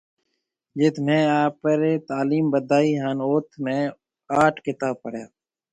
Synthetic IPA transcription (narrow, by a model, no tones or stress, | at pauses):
d͡ʒeːt̪ʰmẽːaːpəɾeːt̪aːliːmbəd̪ʱaːiːɦaːnoːt̪ʰmẽː | aːʈʰkɪt̪aːb̚pəɽjaː